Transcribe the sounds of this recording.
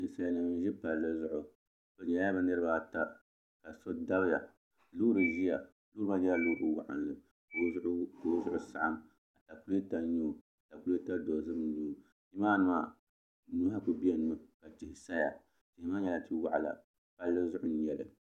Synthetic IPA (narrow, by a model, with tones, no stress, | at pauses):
ti˨sa˦ja˨nɨ˨m˦ʒi˦pa˨lːɨ˦zʊ˦ʔʊ˨ | ko˨ɲɛ˨˦a˦bɨ˦nɨ˦ɾɨ˦ba˦˨ta˦ | ka˨so˦da˦bja˨ | luː˦ɾɨ˨ʒi˦ja˨ | lu˦ɾɨ˦ma˦d͡ʒi˦ja˦luː˦ɾɨ˨wa̰˦ʔa̰˨nlɨ˨ | ko˨˦ko˨˦zʊ˦ʔʊ˦sa˦ʔa˦m | a˨ta˨ku˦ɾe˦ta˦ɲu˦˨a˨ta˨ku˦ɾta˦do˨zɨ˦m˦nu˦˨ | i˦maː˦nɨ˦ma˨ | nu˦ha˦ku˨bi˦ɛ˦n˦ɨ˦ka˨tɪ˨hɪ˨sa˦ja̰˨ | tɪ˨hɪ˨˦ma˦ɲɛ˦la˨ti˦wa˦˨ʔa˨la̰˨ | pa˨lːɨ˦zʊ˦ʔʊ˦n˨ɲɛ˨lɨ̰˨